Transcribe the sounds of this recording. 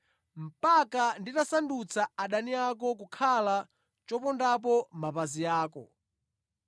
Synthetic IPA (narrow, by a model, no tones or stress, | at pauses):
m̩pakanditasandut͡saaɗaniak̬ɔk̬ukʰala | t͡ʃɔpɔndap̬ɔmapazijaːkɔ